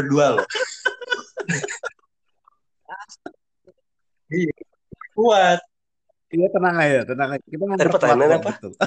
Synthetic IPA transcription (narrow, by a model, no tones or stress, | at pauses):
ərdual | ija | kuas̚ | ijat̪ənaŋajat̪ənaŋakit̪aŋapərt̪aamanapat̪u